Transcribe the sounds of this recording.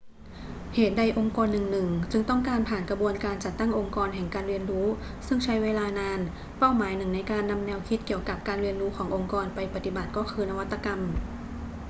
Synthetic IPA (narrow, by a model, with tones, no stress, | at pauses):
heː˨˩t̪̚da˧jʔo˧ŋkɔː˧nːɯ˨˩ŋnɯ˨˩ŋt͡ɕɯ˧ŋt̪ɔ˥˩ŋkaː˧npʰaː˨˩nkɾa˧bu˧ənkaː˧nt͡ɕa˨˩t̪ːa˥˩ŋʔo˧ŋkɔː˧nɦɛ˨˩ŋkaː˧nɾi˧ənɾuː˦˥sɯ˥˩ŋt͡ɕʰa˦˥jweː˧laː˧naː˧n | pa˥˩wmaː˨˩˦jnɯ˨˩ŋna˧jkaː˧nːa˧mnɛː˧wkʰi˦˥t̪̚ki˨˩əwka˨˩p̚kaː˧nɾi˧ənɾuː˦˥kʰɔː˩˦ŋʔo˧ŋkɔː˧npa˧jpa˧t̪i˨˩ba˨˩t̪̚kɔː˥˩kʰɯː˧na˧wa˦˥t̪ːa˧ka˧m